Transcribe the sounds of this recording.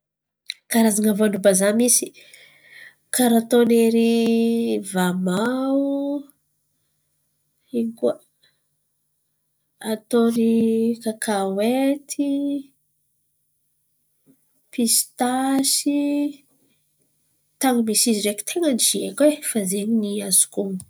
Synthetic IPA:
kaɾazaŋavoanubazamisi̥ | kaɾat̪oneɾi | vamau | ikua | at̪onikakʰawet̪ʰi | pist̪asi | t̪aŋimisiziɾeki̥t̪ʰeŋənid͡ʒiekʲwefazeɲiniazu̥ku

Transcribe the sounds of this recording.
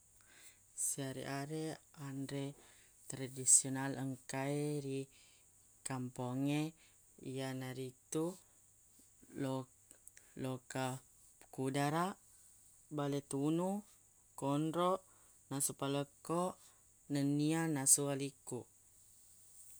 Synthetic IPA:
siaɾḭʔaɾeandɾe | t̪ɾadisionaləŋkaeɾi | kampoŋe | ḭjanaɾit̪u | lo | loka | pə̥kudaɾaʔ | balet̪unu | konɾoʔ | nasupaləkoʔ | nənianasualikuʔ

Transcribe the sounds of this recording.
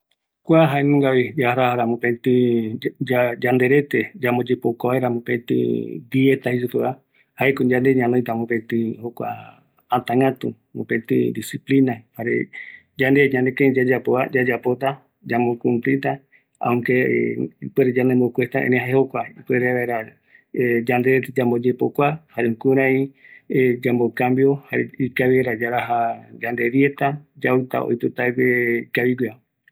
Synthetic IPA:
kʷaɦaenũŋɡaβid͡ʒaɾaaɾamõpet̪ĩ | ad͡ʒand̪eɾet̪ed͡ʒamod͡ʒepokoβaeɾamõpẽt̪ḭ̃d̪iet̪ahis̬upɨa | haekod͡ʒãnd̪eɲãnõj̃t̪amõpẽt̪ĩhokʷa̰ | at̪aŋɡat̪u | mõpẽt̪ḭ̃d̪isiplinahaɾḛ | d͡ʒand̪eɲãnd̪ekẽd͡ʒad͡ʒapoad͡ʒad͡ʒapot̪a | d͡ʒambokũmplit̪̬a | a̰ũŋke | peɾed͡ʒanẽmbokʷest̪aʔḛ̃nẽhaehokʷaipweɾeβaeɾa | ed͡ʒand̪eɾet̪ed͡ʒambod͡ʒepokʷahaɾeũkuɾ̃ãied͡ʒambokambjohaɾeikaβieɾad͡ʒaɾaɦad͡ʒand̪eɾjet̪ad͡ʒaɨt̪a̰o̰jput̪aweikaβiɡʷea

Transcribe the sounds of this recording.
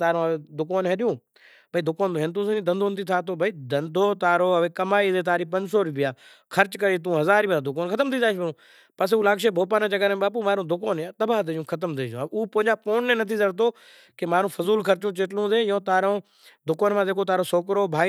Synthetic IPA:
t̪aːɾõːeːd̪ʊkoːnɦeɗjũː | bʱəiːd̪ʊkoːnd̪oɦɪnt̪̬ũːsẽĩːd̪ə̃nd̪ʱoːnt̪ʰiːt̪ʰaːt̪ʰoːbʱiːd̪ənd̪ʱoːt̪aːɾoːəʋeːkəmaːiːzeːt̪aːɾiːpə̃ɲd͡ʒsoːɾʊbɪjaː | kʰəɾt͡ʃkəɾiːt̪ũːɦəzaːɾiːmãːd̪ʊkoːnkʰət̪əmt̪ʰiːzaːʃbəɾũː | pəs̬uːlaːkʃeːbʱoːpaːnãːd͡ʒəɡaːɾːɓaːp̬uːmaːɾũːd̪ʊkoːnaːt̪əbaːt̪ed͡ʒũːkʰət̪əmt̪eːd͡ʒũːuːpõːɦɲd͡ʒaːpoːnːẽːnət̪ʰiːzəɽt̪oː | kemaːɾũːfʊzuːlkʰəɾt͡ʃũːt͡ʃeːʈlũːzẽːjõːt̪aːɾõː | d̪ʊkoːnmãːd̪eːkʰoːt̪aːɾoːsoːkɾoːbʱaː

